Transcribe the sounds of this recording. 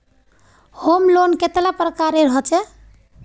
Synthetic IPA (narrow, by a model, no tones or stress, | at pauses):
homlonket̪lapɾəkaɾeɾɦɔt͡ʃɛ